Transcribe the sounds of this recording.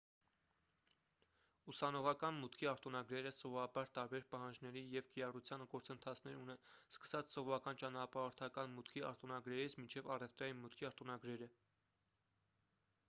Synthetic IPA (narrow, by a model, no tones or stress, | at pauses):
usɑnɔʁɑkɑnmut̪kʰiɑɾt̪unɑɡɾɛɾəsɔvɔɾɑbɑɾt̪ɑɾbɛɾpɑɦɑnd͡ʒnɛɾijɛvkiɾɑrut͡sʰjɑnəɡɔɾt͡sənt̪ʰɑt͡sʰn̪ɛɾunɛnskə̥sɑt͡sʰsɔvɔɾɑkɑnt͡ʃɑnɑpɑɔɾt̪ʰɑkɑnmut̪kʰiɑ̰ɾt̪unɑɡɾɛɾit͡sʰmint͡ʃʰɛvɑrɛvt̪ɾɑjinmut̪kʰiɑɾt̪unɑɡɾɛɾə